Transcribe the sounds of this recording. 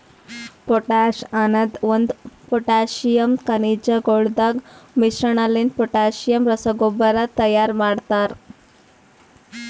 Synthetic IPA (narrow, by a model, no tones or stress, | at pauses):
poʈaɕanəd̪ʋənd̪pɔʈaɕijəmkənid͡ʑaɡoɽd̪aɡmiɕɾəɳalinpɔʈaɕijəmɾəsəɡobəɾat̪ːəjaɾmaɽt̪aɾ